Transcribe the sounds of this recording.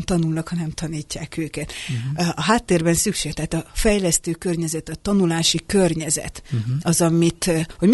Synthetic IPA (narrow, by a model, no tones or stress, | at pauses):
nt̪ɒnulnɒkhɒnɛmt̪ʰɒniːcːaːkøːkɛt̪ʔɒɦaːt̪ːeːrbɛnsykʃeːɡt̪ɛɦːt̪ɒfɛjlɛst̪øːkørɲɛzɛt̪ɒt̪ɒnulaːʃikørɲɛzɛ̰t̪ɒzɒmit̪ho̞ɟm